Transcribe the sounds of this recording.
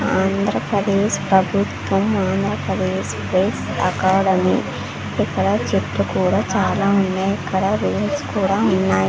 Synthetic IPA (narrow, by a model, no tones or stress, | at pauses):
aːnd̪ʱɾɐpɾɐd̪eːʃpɾɐbʱut̪ʋɐmaːnd̪ɾɐpɾɐd̪eːʂpɾeːs | ɐkaːɽɐmḭː | ikːɐɽɐt͡ʃiʈ̪ːukuːɽaːt͡ʃaːlaːunːeːjɐkʰːɐɽɐɾuːmskuːɽaːunːaːji